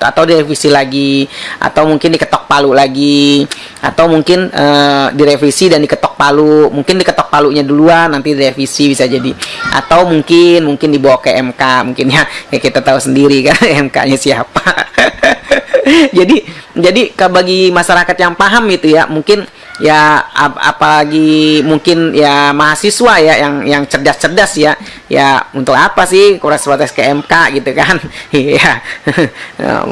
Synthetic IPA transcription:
a̰t̪awdiɾefisilaɡiʔa̰t̪awmuŋkɪndikət̪ɔk̚paluʔlaɡi | ʔa̰t̪awmuŋkɪnədiɾefisidandikət̪ɔk̚palumuŋkɪndikət̪ɔk̚paluʔɲaduluanːant̪idiɾefisibisad͡ʒadiʔa̰t̪awmuŋkɪnmuŋkɪndibawakəʔɛmkamuŋkɪnɲakakit̪at̪ausəndiɾikanɛmka̰ɲasiapa | d͡ʒadid͡ʒadikabaɡimasaɾakat̪jaŋpaɦamɡit̪ujamuŋkɪn | jaa̰a̰palaɡimuŋkɪnjamaɦasisuajajaŋjaŋt͡ʃədast͡ʃədasja | ja̰unt̪ʊkapasɪhkuɾasəpat̪ɛskəɛmkaɡit̪ukanja | ə̰

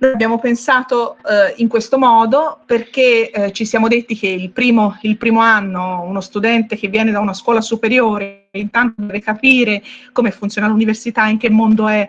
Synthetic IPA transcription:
lojabːjaːmopensaːt̪oiŋkwest̪omɔːd̪operk̟et͡ʃisjaːmod̪et̪ːik̟eilpɾiːmoilpɾiːmoanːounost̪ud̪ɛnt̪ek̟evːjɛːned̪aunaskwɔːlasupeɾjoːɾe | int̪ant̪od̪ɛːvekapiːɾekomefːunt̪sjoːnaluniversit̪aiŋk̟emːond̪oɛ

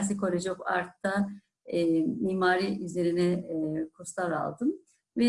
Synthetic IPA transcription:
s̬ɛkʰo̞ɾʲed͡ʒoka̰ɾt̪ʰːa | miːmaːɾiʔyzlʲe̞ɾinɛkʰust̪aɾa̰lˠd̪ɯm | vɛ

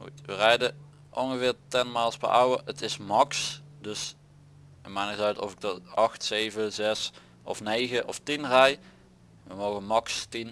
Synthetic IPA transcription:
xṵtʋərɛjdə | ʔɔnɣəvɪːɹtɛnmaːlˠspə̰ʔawəətɪsmɑksdɵs | əmaːnɪtœɥtɔ̰vɪɡ̚dɑtʔɑxtsejvəzɛs | ɔ̰fnejɣəʔɔftinrɛj | ʋəmowɣənmɑkstin

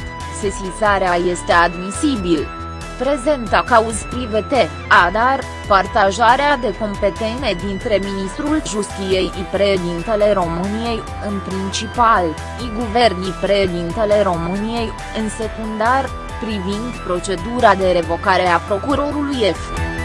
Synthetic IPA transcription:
sesizaɾeaje̞st̪e̞ad̪misibil | pɾe̞ze̞nt̪akauzpɾive̞t̪e̞ | ad̪ar | part̪aʒaɾead̪e̞ko̞mpe̞t̪ene̞d̪int̪ɾe̞minist̪ɾulʒust̪ije̞jipɾe̞ʃed̪int̪ele̞ɾo̞mɨnije̞j | ɨnpɾint͡ʃipal | iɡuve̞rnipɾe̞ʃed̪int̪ele̞ɾo̞mɨnije̞j | ɨnse̞kund̪ar | pɾivind̪pɾo̞t͡ʃe̞d̪uɾad̪e̞ɾe̞vo̞kaɾe̞apɾo̞kuɾo̞ɾuluje̞f

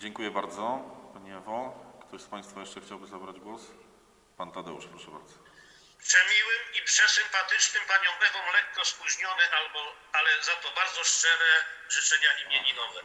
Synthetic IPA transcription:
d͡ʑɛŋkujɛbaɾd̪zɔpaɲɛɛvɔ̃kt̪ɔɕspaj̃st̪fajɛʂt͡ʂɛxt͡ɕawbɘzabɾad͡ʑɡwɔs | pant̪ad̪ɛ̰ṵʂpɾɔʂɛba̰ɾd̪zɔ̥ | pʂɛmʲiwɘmipʂɛsɘmpat̪ɘt͡ʂnɘmpaɲɔ̃w̃ʔɛvɔ̃w̃lɛkːɔspuʑɲɔnɛʔalbɔ | alɛzat̪ɔbaɾd̪zɔʂt͡ʂɛɾɛʐɨt͡ʂɛɲaʔimʲjeɲinɔvɛ

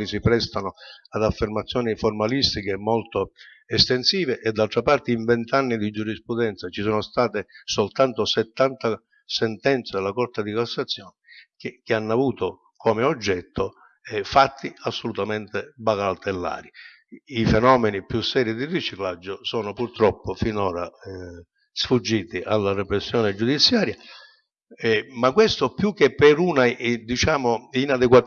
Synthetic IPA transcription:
nisipɾɛst̪anoad̪afːermat̪sːjɔːniformalist̪ikemːɔlt̪o | ɛst̪ensiːveʔɛd̪ːalt̪ɾapart̪eiɱvɛnt̪anːid̪id͡ʒuɾispɾud̪ɛnt̪sat͡ʃisɔːnost̪aːt̪esolt̪ant̪osɛt̪ːant̪a | sɛnt̪ɛnt̪sed̪lːakɔrt̪ad̪ikasːat̪sːjɔːnɛkk̟ɪanːavuːt̪o | komeod͡ʒːɛt̪ːo | ɛfat̪ʰːiasːolut̪ament̪ɪbakalt̪elːa̰ːɾi | ifɛnɔːmɛnipjusːɛːɾid̪irit͡ʃiklad͡ʒːʊsɔːnʊpurt̪ɾɔpːofinɔːɾa̰ | sfud͡ʒːiːt̪iʔalːarɛpɾesːjɔːnɪd͡ʒud̪it̪sːjaːɾja | ɛmakwest̪opjuk̟ːepːɛɾunad̪it͡ʃaːmoinad̪ɛkwa

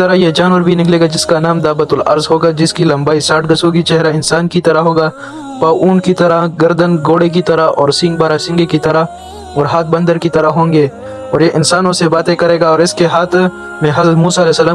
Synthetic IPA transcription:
t̪ɐɾajed͡ʒaːnəɾbʱinɪkleːɡad͡ʒɪskanaːmd̪aːbət̪ʊlɐ̰ɾzɦoːɡad͡ʒɪskilɐ̃mbaːisaːʈ̚ʰɡ̪ɐsõɡit͡ʃɛɦɾaɪnsaːnkit̪ɐɾaɦoːɡaː | paːʔuːnkit̪ɐɾaɡɐɾd̪ənɡoːɽek̬it̪ɐɾaɔ̰ːɾsɪ̃ŋɡ̚baːɾasɪ̃ŋɡekit̪ɐɾa | ɔːɾɦaːt̪̚ʰbɐ̃nd̪əɾkit̪ɐɾaɦõːŋɡeː | ɔːɾjeʔɪnsaːnõsebaːt̪ẽkɐɾeːɡaɔːɾɪskeɦaːt̪ʰ | mẽɦɐlmuːsalɛːsɐlaː

